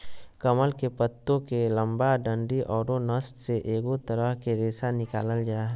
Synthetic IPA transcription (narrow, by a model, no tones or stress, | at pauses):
kɐməlkepət̪ːõkelə̃mbaɖə̃ɳɖiʔɔːɾonəst̪seʔeːɡot̪əɾəɦkeɾeːsanɪkaːləld͡ʒaːɦ